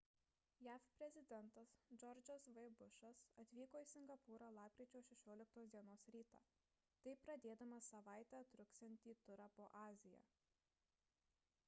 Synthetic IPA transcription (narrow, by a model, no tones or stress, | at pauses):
jæːfpʲɾʲɛzʲɪd̪ʲɛnt̪ɐsd͡ʒɔɾʲd͡ʒʲɔsʋɐɪbʊʃɐsɐt̪ʲʋʲiːkoːiːsʲɪŋɡɐpuːɾɐlˠɑːp̚ʲkʲɾʲiɛt͡ʃʲoːʃʲɛʃʲoːlʲɪk̚t̪oːsd̪ʲiɛnoːsɾʲiːt̪ɑ̰ː | t̪ɐɪpɾɐd̪ʲeːd̪ɐmɐsɐʋɑˑɪt̪ʲɛɐt̪ɾʊksʲɛnʲt̪ʲiːt̪ʊɾɐpoːʔɑːzʲɪjo̰ː